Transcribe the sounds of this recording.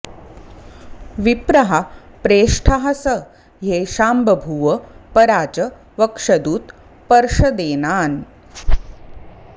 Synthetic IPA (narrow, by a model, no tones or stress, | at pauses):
ʋipɾɐɦapɾeːʂʈʰaɦɐsɐ | ɦeʃaːmbɐbʱuʋəpɐɾaːd͡ʒɐ | ʋɐkʂɐd̪uːt̪ | pɐɾʂɐd̪eːnaːn